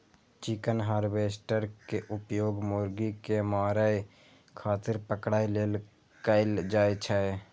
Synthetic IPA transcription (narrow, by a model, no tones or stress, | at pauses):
t͡ʃɪkənɦaːɾbeːsʈəɾkeʔʊpjoːɡmoːɾɡikemaːɾəe | kʰaːt̪ɪɾpəkɽaːileːl | kəɪld͡ʒaːet͡ʃʰae